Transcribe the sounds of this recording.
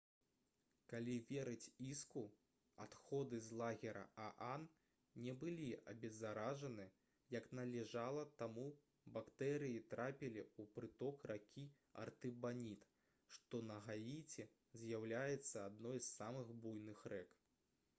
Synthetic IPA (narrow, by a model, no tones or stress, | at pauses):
kalʲivʲɛɾɨt͡sʲisku | at̪xɔd̪ɨzlˠaɣʲɛɾɐ̰ʔaʔan | nʲɛbɨlʲiɐ̰bʲɛzaɾaʐɐnɨ | jɐknɐlʲɛʐalˠɐt̪amu | bakt̪ɛɾɨjit̪ɾapʲilʲiupɾɨt̪ɔkrakʲʰi | ɐ̰rt̪ɨbanʲit̪ | ʂt̪ɔnɐɣajʲit͡sʲɛ | zʲjawlʲajɛt̪sːɐad̪nɔjssamɨxbujnɨxrɛk